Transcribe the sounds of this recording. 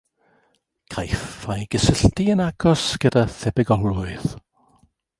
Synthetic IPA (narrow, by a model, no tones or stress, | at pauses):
kʰajfajɡ̥əsəɬtiənaɡ̥ɔsɡ̥ədaθɛbɛɡɔmlʊɨð̥